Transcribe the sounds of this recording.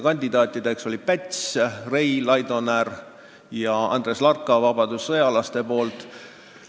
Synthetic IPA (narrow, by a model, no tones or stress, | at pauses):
kɑnʲd̪̥ʲid̪ɑːt̪ːˑid̪̥e̞kso̞lʲipæt̪ʲsrejlɑjd̪o̞nær | jɑɑ̰nd̪̥ɾe̞slɑrkːˑɑvɑbɑd̪usːɤjɑlɑst̪e̞po̞ːlt̪ˑ